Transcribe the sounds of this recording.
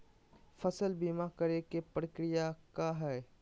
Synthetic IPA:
fɐsəlbimakɐɾekepɾəkɾɪjakaɦɛː

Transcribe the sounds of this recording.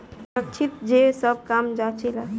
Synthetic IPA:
ɾək̚t͡ʃʰit̪d͡ʒesəb̚ʱkamd͡ʒat͡ʃʰɛla

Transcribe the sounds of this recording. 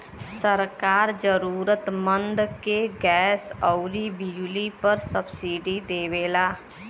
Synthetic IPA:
səɾkaːɾd͡ʒəɾuːɾət̪mə̃nd̪keɡɛːsɔʊɾibijlipəɾsəbsiːɖid̪eːʋeːlaː

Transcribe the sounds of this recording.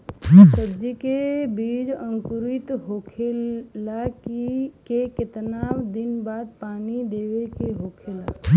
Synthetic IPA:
səbd͡ʒikebiːd͡ʒə̃ŋkʊɾit̪ɦokʰelakkekɪt̪naːbd̪ɪnbaːd̪̚paːnid̪eːʋekeɦoːkʰela̰

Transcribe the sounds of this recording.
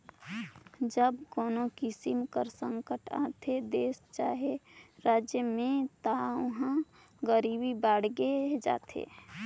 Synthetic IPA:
d͡ʒəbkoːnokisimkəɾsəŋkəʈa̰t̪ʰed̪eːst͡ʃaɦeɾaːd͡ʒjəmẽt̪aʊɦã | ɡəɾibibaɽɡed͡ʒa̰ːt̪ʰḛ

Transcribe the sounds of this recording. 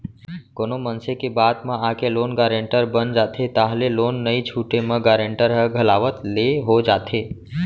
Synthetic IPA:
koːnomənsekebaːd̪mãakeloːnɡaːɾẽɳʈəɾbənd͡ʒaːt̪ʰet̪aːɦleloːnːəit͡ʃʰuːʈemãɡaːɾẽɳʈəɾɦəɡʱəlaːʋət̪leɦod͡ʒaːt̪ʰeː

